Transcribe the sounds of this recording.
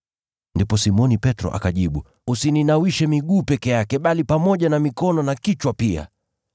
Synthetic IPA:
ndipɔsimɔnipɛtɾɔ̰ʔa̰kaʄiɓu | usininawiʃɛmiɠuːpɛkɛjakɛɓalipamɔʄanamikɔnɔnakit͡ʃwapia̰

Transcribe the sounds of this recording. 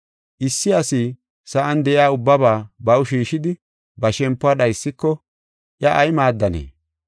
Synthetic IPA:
ʔɪsːɪɐsiː | sɐʔɐnd̪ɛʔɪaːʊbːɐbaːbɐwʊʃiːʃɪd̪ɪ | bɐʃɛmpːʊaːɗɐjsːɪkːɔ | ʔjɐʔɐjmaːd̪ːɐnḛː

